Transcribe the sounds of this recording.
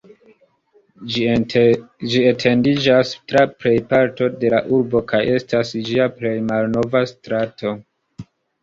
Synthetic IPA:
d͡ʒietʰe̞ndid͡ʒastɾapɾe̞jpaɾto̞de̞laʔuɾbo̞kaje̞stasd͡ʒiaple̞jmalno̞vastɾato̞

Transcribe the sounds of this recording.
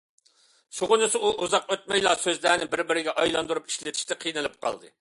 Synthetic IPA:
ʃuʁʊnɨsɨuʔuzɑqøt̪̚mɛjlˠɑsøzlæːnɪbɪɾbɪɾɪɡʲɛʔɑjlˠɑnd̪uɾupi̥ʃlɪt̪ʰi̥ʃt̪ɛqʰijnɨlˠɨp̚qʰɑ̰lˠd̪ɨ

